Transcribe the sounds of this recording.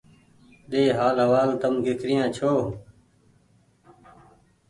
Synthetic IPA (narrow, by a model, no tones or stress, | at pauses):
ɗ̪eːɦaːlɦəʋaːlt̪əmɡɪkɾɪjãːt͡ʃʰoː